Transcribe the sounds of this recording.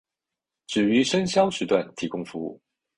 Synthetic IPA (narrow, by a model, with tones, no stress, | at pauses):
ʈ͡ʂɻ̩˨˩y˧˥ʂə˥nɕjɑ˥ʊʂɻ̩˨˥t̪wa˥˩nt̪ʰi˧˥kʊ˥ŋfu˧˥ṵ˥˩